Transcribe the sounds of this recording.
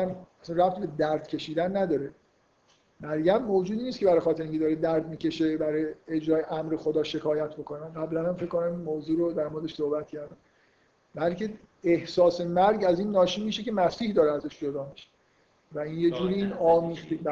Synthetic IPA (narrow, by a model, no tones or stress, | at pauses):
æmæsænræft̪be̞d̪æɾd̪̥cʰe̞ʃiːd̪ænːæd̪ɒːɾe | mæɾɟæmːoːd͡ʒuːd̪iːniːst̪kʰʲe̞bæɾɒːjxɒːt̪ʰeɾiŋcʰed̪ɒːɾed̪æɾd̪miːcʲe̞ʃe̞bæɾjeed͡ʒɾɒːjeʔæmɾexo̞d̪ɒːʃe̞kʰɒːjæt̪ʰbo̞kʰo̞næɢæblænhæmfe̞ckːonæmmoːzuːɾod̪æɾmoɾed̪eʃsohbæt̪cʰæɾd̪æm | bælce̞ | ehsɒːse̞mæɾɟæziːnːɒːʃiːmiːʃe̞cemæsiːhd̪ɒːɾeæzæʃd͡ʒo̞d̪ɒːmiʃe̥ | væinjed͡ʒuːɾiːiːnɒːmiːzb